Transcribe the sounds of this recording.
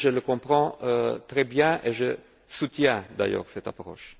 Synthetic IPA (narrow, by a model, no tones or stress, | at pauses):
ʒələkɔ̃pʁɑ̃øt̪ʁɛbjɛ̃ʔeʒə | sut̪jɛ̃d̪a̰jœ̰ːʁsɛt̪a̰pʁɔ̰ʃ